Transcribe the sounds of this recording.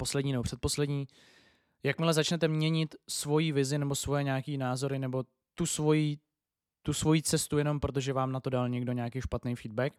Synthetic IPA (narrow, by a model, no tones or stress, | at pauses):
po̞slɛdɲiːnɛbo̞pr̝̥ɛt̪̚po̞slɛdɲiː | jakmɪlɛzat͡ʃnɛt̪ɛmɲɛɲɪt̪svo̞jiːvɪzɪnɛbo̞svo̞jɛɲaːkiːnaːzo̞ɾɪnɛbo̞ | t̪usvo̞jiː | t̪usvo̞jiːt͡sɛst̪ujɛno̞mpɾo̞t̪̬o̞ʒɛvaːmnat̪o̞dalɲɛɡdo̞ɲaːkejʃpat̪nejfiːd̪̚bɛk